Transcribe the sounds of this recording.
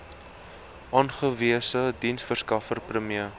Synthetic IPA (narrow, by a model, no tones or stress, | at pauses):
ʔɑːnχəviəsədinsfərskɐfərprəmiə